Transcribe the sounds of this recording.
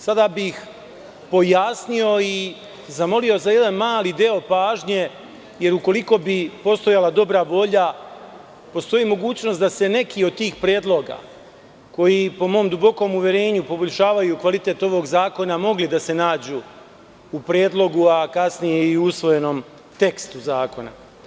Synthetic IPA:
sad̪abix | po̞jasnio̞i | zamo̞lio̞zaje̞d̪anmaːlid̪eo̞paːʒɲe̞ | je̞ɾuko̞liko̞bipo̞st̪o̞jalad̪o̞bɾaʋo̞ʎa | po̞st̪o̞jimo̞ɡuːt͡ɕno̞st̪d̪ase̞ne̞kio̞d̪̚t̪iːxpɾjeːd̪lo̞ɡa̰ | ko̞jipo̞mo̞ːmd̪ubo̞ko̞muʋʲjeɾe̞ːɲupo̞boʎʲʃaːʋajukʋalit̪e̞t̪o̞ʋo̞ɡzaːko̞namo̞ɡlid̪ase̞naːd͡ʑuː | upɾje̞ːd̪lˠo̞ɡuakasnijeiuusʋo̞jeno̞m | t̪e̞kst̪uzaːko̞na̰

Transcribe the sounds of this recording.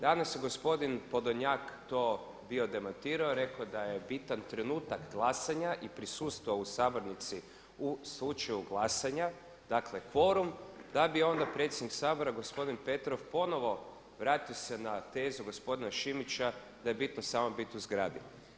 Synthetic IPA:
d̪anasjeɡo̞spo̞d̪inpo̞d̪oɲakt̪o̞ː | bio̞d̪e̞mant̪iːɾaoɾe̞kod̪aje̞bit̪ant̪ɾe̞nuːt̪akɡlˠasaɲaʔipɾisuːst̪ʋoausaːbo̞ɾnit̪si | uslˠut͡ʃajuɡlˠasaɲa | d̪̥akle̞kʋo̞ɾumd̪abio̞nd̪apɾe̞t̪sjed̪niksaːbo̞ɾaɡo̞spo̞d̪inpe̞t̪ɾo̞fpo̞no̞ʋo̞ | ʋɾaːt̪iosenat̪e̞ːzuɡo̞spo̞d̪inaʃimit͡ʃa | d̪aje̞bit̪nosaːmobit̪uzɡɾa̰ːd̪i

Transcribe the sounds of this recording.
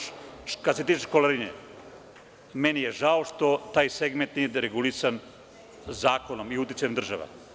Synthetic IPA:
kad̪set̪iːt͡ʃekoleɾiɲḛ | menijeʒaoʃt̪o̞t̪aːjseɡment̪nijed̪ɾeɡulisan | zaːkonomiut̪̬jit͡s̪ajemd̪r̩ʒaʋa̰

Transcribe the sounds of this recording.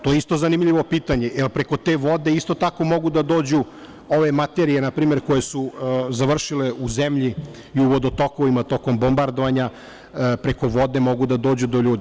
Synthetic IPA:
t̪o̞jeist̪o̞zanimʎiʋo̞piːt̪aɲe̞ʔelpɾe̞ko̞t̪e̞ːʋo̞d̪e̞ist̪o̞t̪ako̞mo̞ɡud̪ad̪o̞ːd͡ʑu | o̞ʋe̞mat̪eɾije̞napɾiːme̞ɾko̞je̞suzaʋr̩ʃileuzemʎi | iuʋod̪ot̪okoʋimat̪o̞ko̞mbo̞mbaɾd̪o̞ʋaɲa | pɾe̞ko̞ʋo̞d̪e̞mo̞ɡud̪ad̪o̞ːd͡ʑud̪o̞ʎuːd̪i

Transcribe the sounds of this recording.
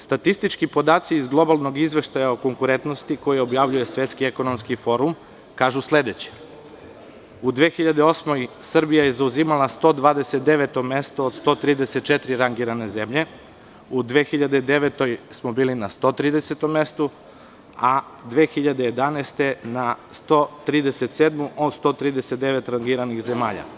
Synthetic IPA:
st̪at̪ist̪it͡ʃkipo̞d̪aːt̪siːzɡlˠo̞balˠno̞ɡizʋe̞ʃt̪ajaoko̞ŋkuɾent̪no̞st̪iko̞jeo̞bjaʋʎuje̞sʋʲe̞t̪skieko̞no̞mskifo̞ɾum | kaːʒusle̞d̪et͡ɕe̥ | ud̪ʋeːxiʎad̪eo̞smo̞jsr̩bijajezauziːmalˠast̪o̞ːd̪ʋaːd̪eset̪̚d̪e̞ʋet̪o̞me̞st̪oːd̪st̪o̞ːt̪ɾiːd̪eset̪̚t͡ʃet̪ɾiɾaŋɡiɾane̞ze̞mʎe̞ | ud̪ʋe̞ːxiʎad̪ed̪e̞ʋet̪o̞jsmobiːlinast̪o̞t̪ɾiːd̪eset̪o̞mːe̞st̪u | ad̪ʋeːxiʎad̪e̞jed̪anest̪e̞nast̪ot̪ɾiːd̪eset̪seːd̪muʔost̪o̞ːt̪ɾiːd̪eset̪̚d̪eʋe̞t̪ɾaŋɡiɾanixze̞maːʎa̰

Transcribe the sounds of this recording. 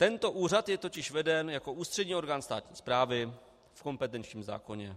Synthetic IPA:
t̪ɛnt̪o̞ʔuːr̝at̪jɛt̪o̞cɪʃvɛdɛnjako̞ʔuːst̪r̥ɛdɲiːo̞ɾɡaːnst̪a̰ːt̪ɲiːspɾaːvɪ | fko̞mpɛt̪ɛnt͡ʃɲiːmza̰ːko̞ɲɛ

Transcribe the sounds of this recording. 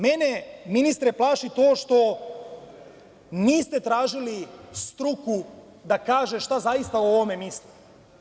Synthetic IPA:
meneminist̪ɾeplˠaːʃit̪oːʃt̪o̞ | niːst̪et̪ɾaːʒilist̪ɾuku | d̪akaːʒe̞ʃt̪azajist̪aoʋome̞misli

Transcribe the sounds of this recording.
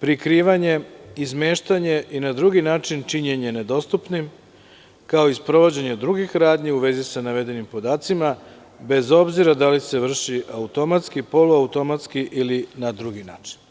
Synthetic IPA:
pɾikɾiːʋaɲe̞izmeːʃt̪aɲe̞ʔinad̪ɾuɡinaːt͡ʃint͡ʃiɲeɲened̪o̞st̪upnim | kao̞ispɾo̞ʋo̞d͡ʑe̞ɲed̪ɾuɡixɾaːd̪ɲeuʋe̞zisanaʋe̞d̪e̞nimpo̞d̪aːt̪sima | be̞zo̞bziɾad̪alise̞ʋr̩ʃiʔaut̪o̞mat̪skipo̞luaut̪o̞mat̪skiʔilinad̪ɾuɡinaːt͡ʃi̥n

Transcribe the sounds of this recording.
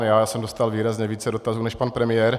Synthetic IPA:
njaːsɛmdost̪alviːɾazɲɛviːt͡sɛdot̪azuːnɛʃpanpɾɛmɪjɛɾ

